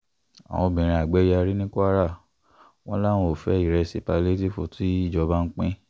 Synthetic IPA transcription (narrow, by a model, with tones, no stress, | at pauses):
a̰˨w̃ɔ̃˧bĩ˨ɾ̃ĩ˧a˨ɡ͡bɛ˨˦ja˧ɾi˦nĩ˦ko˦a˦ɾa˦˨ | w̃ɔ̃˦la˦˨w̃ɔ̃˧o˨fɛ˦i˦˨ɾɛ˧si˧˨pa˧le˦ti˦fo˨ti˦i˦˨d͡ʒɔ˧ba˦n̩˦k͡pẽ˦